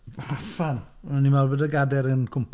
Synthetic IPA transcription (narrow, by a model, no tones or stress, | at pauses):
fan | nimarbədəɡadɛɾənkʰʊmpʰ